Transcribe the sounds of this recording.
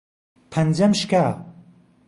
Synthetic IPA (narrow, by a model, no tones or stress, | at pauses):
pʰɐnd͡ʒɐmʃka